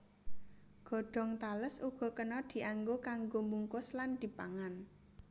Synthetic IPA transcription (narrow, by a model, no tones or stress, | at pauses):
ɡ̥ɔ̤ɖ̥ɔ̤ŋt̪aləsuɡ̥ɔ̤kənɔd̪̥i̤ʔaŋɡokaŋɡomuŋkʊsland̪̥i̤paŋan